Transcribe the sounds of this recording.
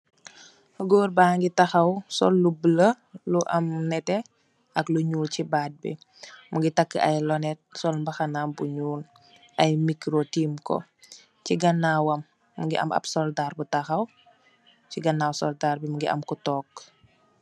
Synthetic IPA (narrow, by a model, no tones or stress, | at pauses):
ɡoːɾbaːŋɡitɐxɐwsɔ̰lːublə | luʔɐmnɛtɛ | ɐkluɲuːlcibaːt̚bḭ | muɡitɐkːəʔɐ̰jlɔnɛt̚sɔlmbɐxɐnaːmbuɲuːl | ɐjmikɾotiːmkɔ̰ | ciɡɐnːaːwɐmː | uɡḭʔɐ̰mɐ̰psɔldaːrbutɐxɐw | ciɡɐnːaːwsɔldaːrbimuɡiʔɐ̰mkutɔːk